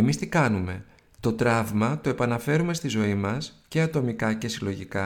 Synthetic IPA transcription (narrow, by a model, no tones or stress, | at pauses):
emist̪ikɐnume̞ | t̪o̞t̪ɾɐvmɐt̪o̞e̞pɐnɐfe̞ɾume̞st̪izo̞imɐsce̞ɐt̪o̞mikɐce̞silo̞ʝikɐ